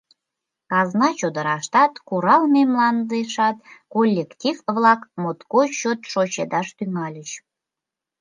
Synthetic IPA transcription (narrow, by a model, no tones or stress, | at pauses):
kɑznɑt͡ɕod̪əɾɑʃt̪ɑt̪kuɾɑlmʲemlˠɑnd̪eʃɑt̪kolʲːektʲifvlɑkmot̪koɕot̪ʃot͡ɕed̪ɑʃt̪yŋɑlʲəɕ